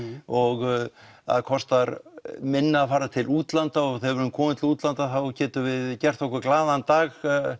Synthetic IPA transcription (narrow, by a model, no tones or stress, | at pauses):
ɔɣa̰ðkʰɔst̪aɾmɪnːaːfaːɾat̪ʰɪluːt̪lant̪aɔɣθɛvɛɾʏmkʰɔːmɪt̪ɪuːt̪lant̪aθawcɛːt̪ʏvɪðcɛr̥t̪ɔhkʏɾklaːðant̪aːɣ